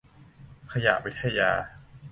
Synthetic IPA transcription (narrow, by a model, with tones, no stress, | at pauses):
kʰa˧ja̰˨˩wi˦˥t̪ʰːa˧jaː˧